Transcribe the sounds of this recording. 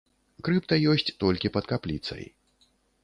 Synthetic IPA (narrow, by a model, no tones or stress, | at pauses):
kɾɨpt̪ɐjɔsʲt͡sʲt̪ɔlʲkʲipɐt̪kaplʲit̪sɐ̰j